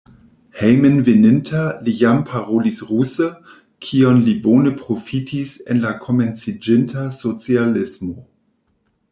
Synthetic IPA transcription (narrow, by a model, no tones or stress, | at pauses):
hejmənvenɪntʰalijampʰaʁolisʁusə | kʰio̞nlibonəpɾofitʰisḛnlakʰo̞ment͡sid͡ʒɪntasot͡sialɪsmo